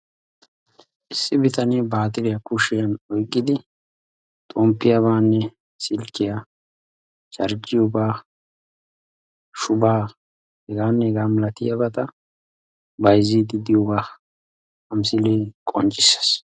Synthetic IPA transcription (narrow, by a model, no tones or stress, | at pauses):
ʔɪsːɪbɪt̪ɐnibaːt̪ɪɾɪjɐkʊʃɪjɐnɔjkʼːɪd̪ɪ | t̪ʼɔmpːɪjɐβaːnːɛ | sɪlkːɪja | t͡ʃɐɾd͡ʒɪjɔbaː | ʃʊbaː | hɛɡaːnːɛɛɡaːmɐlɐt̪ɪjabɐt̪ɐ | bɐjzid̪ɪd̪ɪjɔɡaː | ɐmsɪlɛkʼɔ̰nt͡ʃʼːɪsɐ̥s